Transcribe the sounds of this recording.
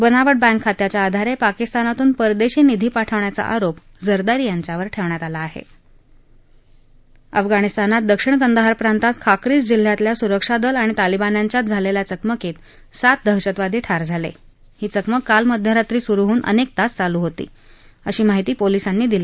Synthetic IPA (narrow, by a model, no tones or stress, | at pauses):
bənaʋəɽ̚bɛ̃ŋkʰːat̪jat͡ɕjaːd̪ʱaɾepakist̪anat̪uːnpəɾd̪eɕiːnid̪ʱiːpaʈʰəʋɳjat͡sa̰ʔa̰ɾop | d͡zəɾd̪aɾijaɲt͡ɕjaʋəɾʈʰeʋɳjat̪alaːɦḛ | ə̰fɡañist̪anat̪̚d̪əkʂiɳkənd̪aɦaɾpɾant̪at̪̚kʰakɾiːt͡sd͡ʑil̤ːjat̪ljasuɾəkʂad̪əlaɽ̃it̪alibanjaɲt͡ɕjat̪̚d͡zʱaleljat͡səkməkiːt̪ | sat̪̚d̪ʱəɦɕət̪ʋad̪ʱiːʈʰaɾd͡zʱalḛ | hiːt͡səkməkːalməd̪ʱjaɾat̪ɾiːsuɾuɦuːnʔə̰nek̚t̪ast͡saluːɦot̪ḭː | əɕiːmaɦit̪iːpolisanːiːd̪iliː